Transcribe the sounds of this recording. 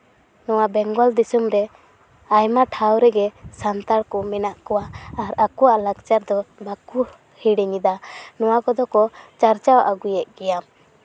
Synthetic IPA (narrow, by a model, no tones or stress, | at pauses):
nɔwabɛŋɡɔld̪isumɾɛ | ajmaʈʰawɾɛɡɛsant̪aɽkɔmɛnaʔkɔwaːɾakɔwaʔlaɡt͡ʃaɾd̪ɔbaku | hiɽɛɲid̪anɔwakɔd̪ɔkɔt͡ʃaɾt͡ʃawaʔaɡujɛʔ̚ɡɛjam